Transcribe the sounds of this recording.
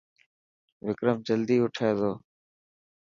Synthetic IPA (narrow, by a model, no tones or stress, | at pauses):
ʋɪkɾəmd͡ʒəld̪iːʊʈʰeːzoː